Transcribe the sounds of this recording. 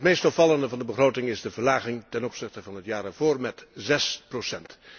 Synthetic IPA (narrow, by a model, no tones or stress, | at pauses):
ətmejstɔfɑlˠəndəvɑndəbəχrowtɪŋɪzdəvəɹlaːχɪŋtɛnɔpsɪχtəvɑnɦətjaːɾavoːrmɛtzɛsprosɛnt